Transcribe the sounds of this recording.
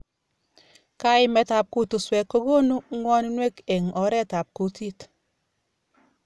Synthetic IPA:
ka˦ɪ˨mɛ˨ta˨p̚ku˦tu˨swɛ˨kːo˦ɡo˦nu˦ŋwɔ˦ni˦nwe˦ke˨ŋɔ˨˦ɾɛ˦˨ta˨p̚ku˨ti˦t

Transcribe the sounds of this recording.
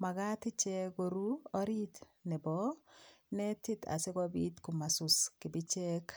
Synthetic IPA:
ma˨ɡa˦tɪ˦t͡ʃɛ˦ɡo˨ɾu˦ɔ˦ɾi˦tnɛ˨bɔ˦nɛ˦tɪ˦t̪a̰˨sɪ˦ɡɔ˦bi˦t̪ku˨ma˨sʊ˨skɪ˨bɪ˦t͡ʃɛ˦k

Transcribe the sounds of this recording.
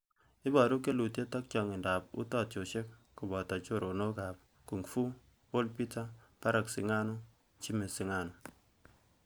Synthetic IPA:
i˦ba˨ɾu˦ke˦lu˨te˦ta˦k̚t͡ʃɔ˨ŋi˨nda˨p̚ṵ˦ta˦˨t̚t͡ʃo˨ʃe˦kːu˨bɔ˨ta˨t͡ʃo˦˨ɾʔo˨no˦ka˨p̚ | ku˨ŋfu˦ | wo˦lpi˦ta˦pa˦ɾa˨ksi˨ŋa˦no˦ | t͡ʃi˦me˨si˨˦ŋa˦˨no˨

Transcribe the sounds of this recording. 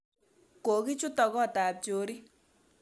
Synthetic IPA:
ko˨ki˦t͡ʃu˦tɔ˧kɔ˦˨taː˨p̚d͡ʒo˨˦ɾi˦

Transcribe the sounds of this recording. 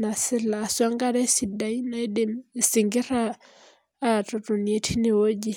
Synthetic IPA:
na˨sɪ˦la˨swa˦ŋɡa˦ɾɛ˦si˨da˨i˦na˦e˦de˦msɪ˨ŋɡɪ˦raː˦˨ | tʼɔ˨tʼo˨ni˨e˨tʰi˦nɪ˨wo˦d͡ʒi˦

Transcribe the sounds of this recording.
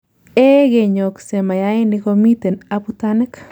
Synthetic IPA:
ɛ˦ɡe˨ɲo˨kse˨ma˨ja˦ɪ˦nɪkomi˦te˨naputanɪ˦k

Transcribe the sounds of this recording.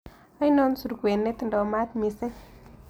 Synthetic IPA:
a˦jno˦nsu˨ɾɡwe˨nːe˦t̪ndo˨ma˦t̪mi˨se˦

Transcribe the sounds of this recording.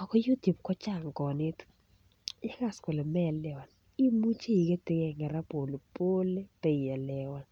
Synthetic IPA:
ɔ˨kɔ˦ju˦tju˨p̚kɔ˦t͡ʃa˦˨ŋkɔ˨nɪ˦tu̥˨ | jɛ˦ka˦˨skɔ˨lɛ˨mɛ˦lːɛ˦wa˨n | i˦mu˦t͡ʃe˦i˨ke˦te˦kɛ˦˨ŋɛ˨ɾa˦po˨lo˨po˦le˦pe˦˨a˨lɛ˦wa˦˨n

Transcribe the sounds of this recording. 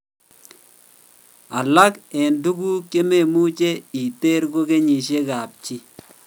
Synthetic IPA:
a˨la˦kɛ˨ndu˦ɡu˦ke˦me˨mu˦t͡ʃe˦i˨te˦ɾɡo˦ke˦ɲi˨ʃ̬e˦ka˨p̚t͡ʃi˦

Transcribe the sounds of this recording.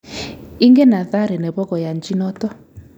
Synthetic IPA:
i˦ŋɡɛ˦na˨ða˦ɾɛ˨nɛ˨βɔ˦kɔ˨ja˨nd͡ʒi˦nɔ˦tɔ˦

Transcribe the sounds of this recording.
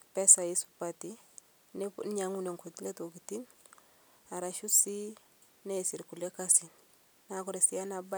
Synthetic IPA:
pɛ˦sa˨ji˦su̥pa˨ti˦ | ne˦n˦ɲa˨ŋu˦ne˨ŋko˨ti˦le˦to˨ki˨ti˦n | a˨ɾa˨ʃu˦si˦ | ne˦˨si˨ɾku˨le˦ka˦si˨n | na˦kɔ˦ɾe˨si˦a˦na˨ba˦

